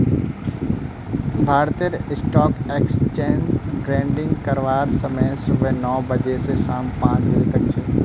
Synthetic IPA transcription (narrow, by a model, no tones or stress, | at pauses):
bʱaːɾt̪iəɾɪsʈɔːkekst͡ʃẽːnbɾẽːɳɖɪ̃ŋɡkɐɾʋaːɾsəmesʊbʱənɔːbəd͡ʒeseʃaːmpãːd͡ʒʋeːt̪ɐk̚t͡ʃʰeː